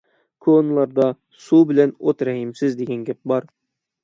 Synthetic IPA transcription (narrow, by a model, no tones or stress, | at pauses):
kʰonlˠɑɾd̪ɑ | subɪlɛnot̪ɾɛhimsɪzd̪eɡʲɛnɡʲɛp̚bɑɾ